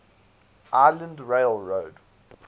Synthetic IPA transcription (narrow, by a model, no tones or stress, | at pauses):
ʔaɪlə̃ndɹeɪlɹoːd̥